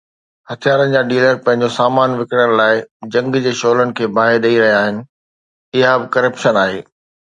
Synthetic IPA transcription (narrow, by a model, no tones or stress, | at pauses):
hɐt̪ʰijaːɾənɪ̆d͡ʑaːɖiːləɾpɐ̃ɦɪ̃ɲ̆d͡ʑosaːmaːnʋɪkɪɽ̃ənlaːɪd͡ʑɐ̃ŋɡd͡ʑeːʃoːlənɪ̆kʰeːbaːɦɪɗɐiɾɐɦijaːɦɪnɪ̆ | ɪɦabɪkɐɾəpʃənaːɦeː